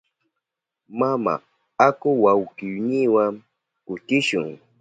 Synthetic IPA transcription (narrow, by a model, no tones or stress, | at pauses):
mama̰ | akʊwawkijniwaŋ | kʊtɪʃʊ̰ŋ